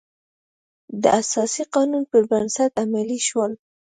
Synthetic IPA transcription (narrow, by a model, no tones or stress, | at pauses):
d̪əʔasɑsiqɑnunpəɾbɾansat̪amaliʃwəl